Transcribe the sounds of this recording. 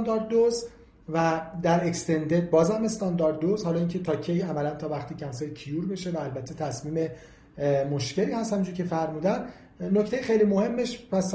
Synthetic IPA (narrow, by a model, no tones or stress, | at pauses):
nd̪ɒɾd̪̚d̪ːoz | væd̪æɾekst̪ʰe̞nd̪eɾd̪̚bɒːzæme̞st̪ɒnd̪ɒːɾd̪̚ːozhɒːlɒːincʰe̞t̪ʰɒːcʰːejæmælænt̪ʰɒːvæxt̪ʰiːcʰæmseɾcʰijuːɾbeʃevæːlbæt̪ʰːe̞t̪ʰæsmiːme̞ | moʃce̞liːhæst̪hæmind͡ʒuːɾcʰʲe̞fæɾmuːd̪æn | noct̪ejexejlimo̞he̞mːeʃpʰæs